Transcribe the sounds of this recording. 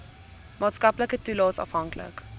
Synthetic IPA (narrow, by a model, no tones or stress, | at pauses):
mɑːtskɐpləkətulɑːsɑ̰fɦɐŋklə̰k